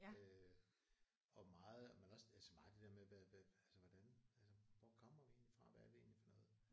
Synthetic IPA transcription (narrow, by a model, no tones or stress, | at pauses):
ø | ɒ̽mɑ̈ːð̩ˠmenɒ̽sælsəmɑ̈ːð̩ˠd̥e̝̥eɐmeʋæʋæælsəʋɒd̥ænælsəʋɒkʰɒm̰ɐʋie̝̰ːnlifʁɑ̈ʋææɐd̥e̝e̝̰ːnlifɒnɔ̽ːð̩ˠ